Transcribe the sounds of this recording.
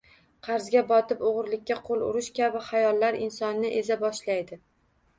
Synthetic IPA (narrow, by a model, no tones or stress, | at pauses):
qʰɑɾzɡʲabɒt̪ɪpoʁɨɾlɪkʲːaqʰolˠʊ̰ɾɪʃkʲabɪχajɒlːaɾɪnsɒnːɪʔezabɒʃlajd̪ɪ